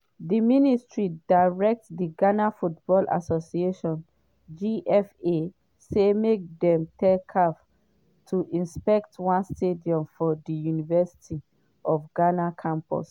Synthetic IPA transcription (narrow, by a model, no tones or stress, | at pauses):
diministɹidaɹɛk̚tsdiɡanafutb̥ɔlʔa̰sosieʃɔ̃n | d͡ʒiʔɛfe | semek̚dɛ̃mtʰɛkʰap | tʰuʔĩnspɛk̚tʰwãnstʰediɔ̃mfɔdijunivɛsi̥tʰi | ʔɔfɡanakʰãmpɔ̰s